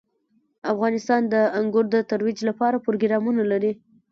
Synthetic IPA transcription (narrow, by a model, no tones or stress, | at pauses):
afɣɑnɪst̪ɑnd̪əaŋɡʊɾd̪ət̪aɾwid͡ʒlapɑɾapɾoɡɾɑmunalaɾi